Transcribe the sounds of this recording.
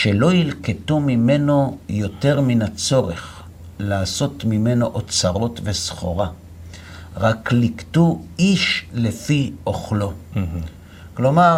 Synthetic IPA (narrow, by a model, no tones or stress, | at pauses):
ʃe̞lo̞jilketumime̞no̞jo̞te̞ʁminat͡so̞ʁḛχ | laːso̞tmime̞no̞ʔot͡saʁo̞tve̞sχo̞̰ʁa | ʁakliktuiʃlefioχlo̞ | klo̞ma